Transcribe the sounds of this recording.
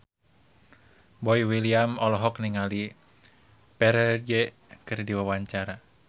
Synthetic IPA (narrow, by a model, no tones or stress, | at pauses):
bɔiwiliamɔlɔɦɔkniŋali | pɛɾɛd͡ʒɛ | kɨrdiwawaɲt͡ʃaɾa